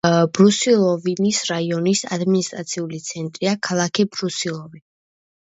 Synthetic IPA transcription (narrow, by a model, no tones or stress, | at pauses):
bɾusilˠɔvinisɾaiɔnisa̰d̪minist̪ʼɾat̪sʰiulit̪sʰɛnt̪ʼɾiakʰalˠakʰibɾusilˠɔvi